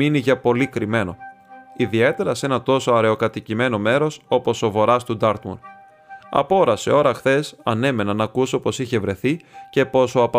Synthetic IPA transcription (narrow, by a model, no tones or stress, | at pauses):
iniʝɐpo̞likɾime̞no̞̰iðie̞t̪e̞ɾɐse̞nɐt̪o̞so̞ɐɾe̞o̞kɐt̪icime̞no̞me̞ɾo̞so̞po̞so̞vo̞ɾɐst̪ud̪ɐɾt̪mo̰n | ɐ̰po̞ɾɐse̞̰o̞ɾɐxθe̞sɐne̞me̞nɐnɐkuso̞po̞siçe̞vɾe̞θice̞po̞soɐp